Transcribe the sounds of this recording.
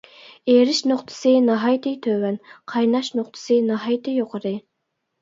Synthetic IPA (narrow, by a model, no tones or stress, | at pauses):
eɾɪʃnoχt̪ʰɨ̥sɨnɑɦɑjt̪ʰɪt̪ʰøwɛnqʰɑjnɑʃnoχt̪ʰɨ̥sɨnɑɦɑjt̪ʰɪjoqʰəɾɨ